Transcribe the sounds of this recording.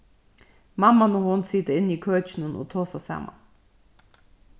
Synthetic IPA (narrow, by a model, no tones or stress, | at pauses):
mamːanohʊnsiːt̪əɪnːiːkʰøːt͡ʃɪnəno̰ːt̪ʰoːsasæ̰ːma̰n